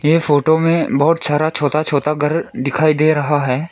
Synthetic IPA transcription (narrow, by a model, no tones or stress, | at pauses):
jeːfoːʈomẽbɐɦʊt̪saːɾat͡ʃʰoːt̪at͡ʃʰoːt̪aɡɐɾd̪ɪkʰaːid̪eːɾɐɦaɦɛː